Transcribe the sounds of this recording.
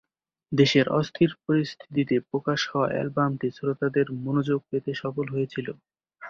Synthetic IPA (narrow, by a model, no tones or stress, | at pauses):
d̪eʃeɾʔɔ̰st̪ʰiɾpoɾist̪ʰi̥t̪̬it̪epɾokaʃhɔoa̰ʔɛ̰lbamʈisoɾot̪ad̪eɾmonod͡ʑoɡ̚pet̪eʃɔfolɦojet͡ɕʰilo